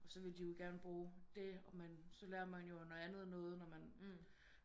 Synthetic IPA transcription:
ɒ̽sɒ̽ʋe̝ld̥ijo̝ɡ̥æɐnəb̥ʁuːd̥e̝ɒ̽mænsɒ̽leːɐmænjo̝noænð̞̩ˠnɔ̽ːð̞̩ˠnɒmæn

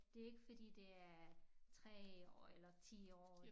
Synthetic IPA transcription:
d̥e̝e̝ɡ̥əfɒ̽d̥ḭːd̥e̝æɐt͡sʰʁɛ̰ɒ̰ːelɐt͡sʰḭːɒ̰ː

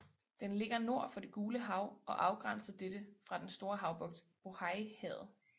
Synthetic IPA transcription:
d̥enle̝ɡ̥ɐno̝ɐ̰fɒ̽d̥e̝ɡ̥uːləɦɑ̈ʊɒ̽ʔɑ̈ʊɡ̥ʁɑn̰sɐd̥ed̥əfʁɑ̈d̥ensd̥o̝ːɐɦɑ̈ʊb̥ɔ̽ɡ̥̚d̥ | b̥o̝hɑ̈ɪhɛð̩ˠ

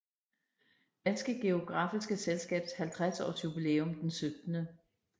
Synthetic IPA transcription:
d̥ænsɡ̥əɡ̥e̝o̝ɡ̥ʁɑ̈fisɡ̥əselsɡ̥ɛ̰ːb̥shælt͡sʰʁasɒ̰sjub̥ile̝ːomd̥ensød̥nə

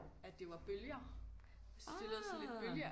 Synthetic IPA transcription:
æ̥d̥e̝ʋɑ̈b̥øljɐ | sd̥e̝lːð̩ˠsɒnle̝̥b̥øljɐ

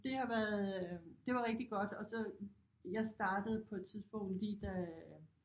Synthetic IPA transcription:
d̥e̝hɑ̈ʋæɐðˠd̥e̝ʋɑ̈ʁeɡ̥̚d̥iɡ̥ɒ̽d̥ɒ̽sɒ̽ | jɑ̈ɪsd̥ɑ̈ːd̥əð̞̩ˠpʰɒ̽e̝d̥t͡sʰiðˠsb̥ɔ̽ŋ̰d̥liːd̥æ

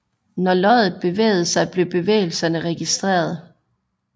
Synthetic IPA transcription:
nɒlɒɪð̩ˠb̥e̝ʋḛːɪð̞̩ˠsɑ̈ɪb̥le̝b̥e̝ʋḛːɪl̩sɐnəʁɛɡ̥isd̥ʁḛːɐð̞ˠ

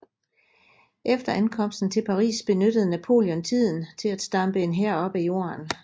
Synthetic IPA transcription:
ʔefd̥ɐænkʰɒ̽m̰sd̥n̩t͡sʰe̝lpʰɑ̈ʁḭːsb̥e̝nød̥əð̩ˠnæpʰo̝̰ːljɔ̽nt͡sʰið̞̰ˠn̩t͡sʰe̝læd̥sd̥ɑ̈mb̥əe̝nɦeɐ̰ɒ̽b̥æjo̝̰ːɐn

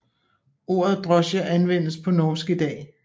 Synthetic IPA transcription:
o̝̰ːɐð̞̩ˠd̥ʁɒ̽ɕəʔænʋen̰əspʰɒ̽nɒːsɡ̥əd̥ɛ̰ː

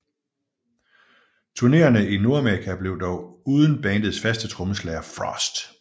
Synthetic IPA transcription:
t͡sʰuɐne̝̰ːɐnəino̝ɐæmeɐʁikʰæb̥le̝ʊd̥ɒʊuːðˠən̩b̥ɛːnd̥ð̩ˠsfæsd̥ət͡sʰʁɔ̽məslɛːɐfʁɒsd̥

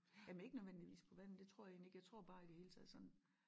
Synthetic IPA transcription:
jæmne̝ɡ̥ənøðˠʋen̰d̥iʋḭːspʰɒ̽ʋæn̰̩d̥e̝t͡sʰʁo̝ɐ̰jɑje̝ːnleɡ̥jaɪt͡sʰʁo̝ɐ̰b̥ɑ̈ːid̥ehe̝ːlət͡sʰɛð̰ˠsɒ̽n

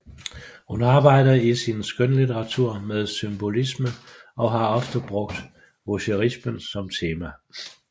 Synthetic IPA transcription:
hunɑ̈ːb̥ɑ̈ɪ̰dɐisinsɡ̥ønlit͡seʁɑ̈t͡sʰuɐ̰meðˠsymb̥o̝lisməʔɒ̽ɦɑ̈ɒ̽fd̥əb̥ʁɔ̽ɡ̥̚d̥ | ʋoɕeʁismənsɒ̽mt͡sʰe̝ːmæ

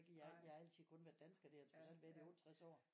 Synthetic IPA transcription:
ɡ̥əjɑjɑhɑæl̰t͡sʰiðˠkʰɔ̽nʋæɐd̥ænsɡ̥ɐd̥eɐt͡sʰʁusæl̰dʋæɐd̥iɔ̽ːd̥ət͡sʰʁasɒ̰ː

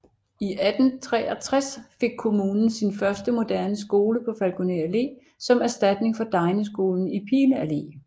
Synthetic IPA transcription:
iʔæd̥n̩t͡sʰʁɛːɒt͡sʰʁasfe̝ɡ̥̚kʰo̝muːnn̩sinfɶɐsd̥əmo̝d̥æɐnəs̬ɡ̥o̝ːləpʰɒ̽fælɡ̥oneæle̝̰ː | sɒ̽mæɐsd̥æd̥ne̝ŋfɒ̽d̥ɑ̈ɪnəsɡ̥o̝̰ːln̩ipʰiːnəæle̝̰ː

